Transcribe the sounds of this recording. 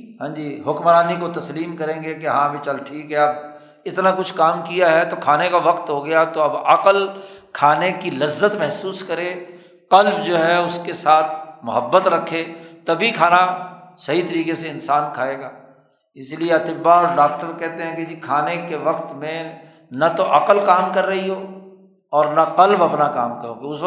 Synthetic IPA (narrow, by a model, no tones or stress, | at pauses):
ɦãːd͡ʒiːɦʊkmɾaːnikot̪ɐsliːmkɐɾẽːŋɡekeɦãːbʱit͡ʃɐlʈʰiːkɦɛɐb | ɪt̪nakʊt͡ʃʰkaːmkijaɦɛt̪okʰaːnekaʋɐqt̪ɦoɡɐjat̪oɐbɐqəlkʰaːnekilɐzːət̪mɛɦsuːskɐɾe | qɐlbd͡ʒoːɦɛʊskesaːt̪̚ʰmʊɦəbːət̪ɾɐkʰːet̪ɐbʱikʰaːnasɐɦit̪ɐɾiːqeseɪnsaːnkʰaːeːɡaː | ɪslieɐt̪ɪbːaɔːɾɖaːk̚ʈəɾkɛɦt̪eɦɛ̃kid͡ʒikʰaːnekeʋɐqt̪mẽ | nat̪oʔɐqəlkaːmkɐɾːɐɦiɦoː | ɔːɾnaqɐlbɐpnakaːmkɐɾõɡeʊs